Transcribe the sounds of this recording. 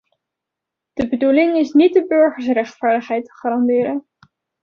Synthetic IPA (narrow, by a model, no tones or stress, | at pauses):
d̥əbədulɪŋɪsnit̚dəbɵɹχəɹs̬rɛχtfaːɹdəχɦɛjtə̥χaːɾɑndɪːɾən